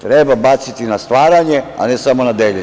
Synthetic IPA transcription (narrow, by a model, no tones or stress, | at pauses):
t̪ɾebabat̪sit̪inast̪ʋaːɾaɲe̞a̰nesamonad̪eʎe